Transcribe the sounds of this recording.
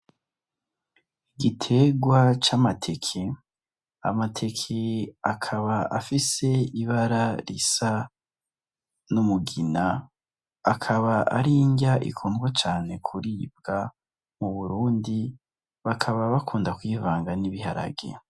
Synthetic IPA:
iɡitʰe̞ɡwat͡ʃamatʰe̞kʰe̞ | a̰matʰe̞kʰeakʰaβaʔafise̞iβaɾaɾḭsa | numuɡinaː | kʰaβaʔa̰ɾiːɲɟaʔḭkʰuːnɡwat͡ʃaːne̞kʰuɾib̚ɡa | muβuɾuːndi | βakʰaβaβakʰuːndakwivaːŋɡaniβiɦa̰ɾa̰ɡḛ

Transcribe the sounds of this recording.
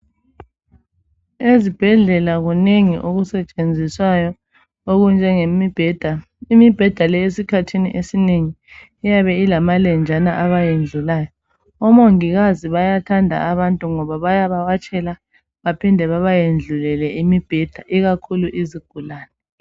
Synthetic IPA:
ezib̥ʱɛɮɛlaɣuneŋḭʔoɣusɛt͡ʃʼend͡zʱiswajɔ | oɣund͡ʒʱɛŋemib̥ʱɛd̥ʱa | imib̥ʱɛd̥ʱalɛesikʰatʰinḭʔesineŋi | ijaβɛilamalɛnd͡ʒʱanaʔaβajend͡ɮʱulaːjɔ | ɔmoŋiɣaziβajatʰandʱa̰aβantʼuŋɔβaβajaβawat͡ʃʼɛla | βapʰindʱɛβaβajend͡ɮʱulɛlɛimib̥ʱɛd̥ʱaʔiɣakʰuluʔiziɡ̥ʱulaːnɛ

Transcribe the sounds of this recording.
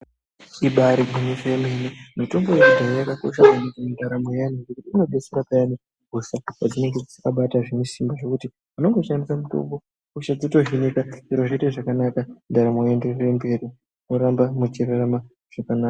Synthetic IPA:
iɓaɾikuɲeʐeemenimito̞mbo̞eidʱarojakako̞̰ʃamanekamindaɾamojaniʐekutiino̞ɓe̞seɾapajani | ɡʱosakad͡zine̞ŋɡed͡zi̥sikaɓataʐemisimbaʐo̞kuti | uno̞ŋɡo̞ʃandisamito̞̰mbo̞ | koʃad͡zoto̞ʐinekaiɾoʐiiteʐakanakandaɾamojenderembe̞ɾi | noɾambamut͡ʃererama | ʐ̥akanaːka

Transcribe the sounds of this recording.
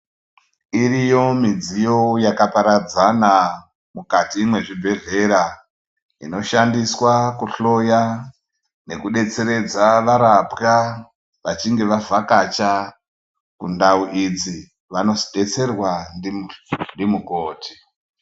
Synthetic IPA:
iɾijo̞mid͡zijo̞jakapaɾad͡zana | mukatiːmwe̞ʐibʱe̞ɮe̞ɾa | ino̞ʃandiswakuɬo̞ja | ne̞kuɗe̞t͡se̞ɾe̞d͡zaʋaɾapka | ʋat͡ʃiŋɡe̞ʋavʱakat͡ʃa | kṵndauʔid͡zi | ʋano̞ziɗe̞t͡se̞rwandindimukoːtʰi̥

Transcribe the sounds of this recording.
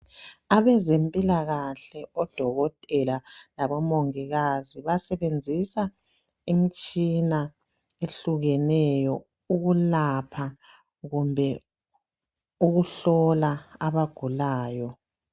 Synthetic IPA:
aβɛzempʼilaɣaɬɛɔd̥ʱɔɣɔtʼɛlalaβɔmoŋiɣaziβasɛβend͡zʱisa | imit͡ʃʼina | eɬuɣɛnɛjɔ | uɣulapʰa | ɣumbʱɛ | uɣuɬɔlaaβaɡ̥ʱulaːjɔ

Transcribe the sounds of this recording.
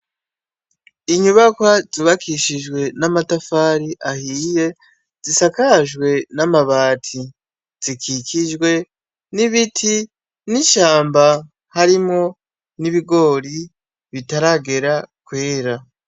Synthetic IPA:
iɲuβakwazuβakiʃiʒɡwe̞namatafaːɾiʔahiːje̞ | z̥isakaʒɡwe̞namaβaːtʰi | z̥ikʰikʰiʒɡwe̞ | niβitʰi | niʃaːmba | haɾimŋo̞ | niβiɡo̞ɾi | βitaɾaɡe̞ɾakweːɾa

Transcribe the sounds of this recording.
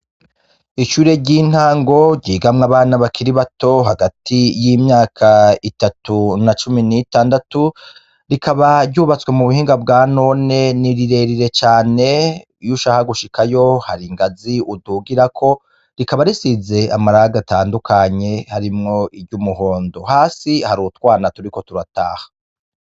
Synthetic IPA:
iʃuːɾe̞ɟiːn̥haːŋɡo̞ɟiːɡamŋaβaːnaβakʰiɾiβato̞ɦaɡatʰijiːmɲaːkʰaitatunat͡ʃuminitaːndatu | ɾikʰaβaɾɟuːβat͡swe̞muβuhiːŋɡabɡaːno̞ne̞niɾiɾe̞ɾiɾe̞t͡ʃaːne̞ | juʃahaɡuʃikʰajo̞haɾiŋɡaziʔuduɡiɾakʰo̞ | ɾikaβaɾisize̞amaɾaɡataːndukʰaɲe̞haɾimŋo̞ʔibɟumuɦo̞ːndo̞haːsihaɾutwaːnatuɾikotuɾataːhḁ

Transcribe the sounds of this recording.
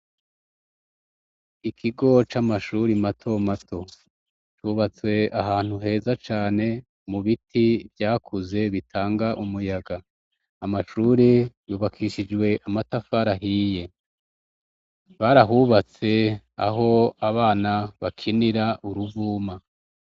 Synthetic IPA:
ikʰiɡo̞t͡ʃamaʃuɾimatʰo̞matʰo̞ | t͡ʃuːβat͡swe̞aɦaːn̥huɦe̞ːzat͡ʃaːne̞ | muβitʰivjaːkʰuze̞βitʰaːŋɡaʔumujaɡaː | maʃuːɾijuːβakʰiʃid͡ʒwe̞ʔamatafaɾaɦije̞ | βaɾaɦuβat͡se̞ | a̰ɦo̞aβaːnaβakʰiniɾaʔuɾuvuːma

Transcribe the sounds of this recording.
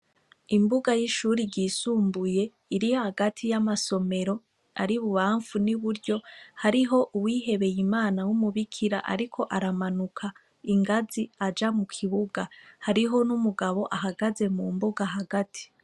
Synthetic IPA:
imbuɡajiʃuːɾiɟiːsuːmbuje̞ | iɾijohaɡatʰijamaso̞me̞ɾo̞ | aɾiβuβaːɱvuniβuɾɟo̞haɾiɦo̞ʔuwiːɦe̞βe̞jimaːnawumuβikʰiɾa̰ʔa̰ɾikʰo̞ʔaɾamanukʰa | iŋɡaziad͡ʒamukʰiβuɡahaɾiɦo̞numuɡaβo̞ʔaɦaɡaze̞mumbuɡaɦaɡatʰi̥

